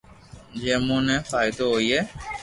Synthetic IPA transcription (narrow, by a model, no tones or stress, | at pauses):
d͡ʒeːmũːnẽːfaːɪd̪oɦoːiːɦɛː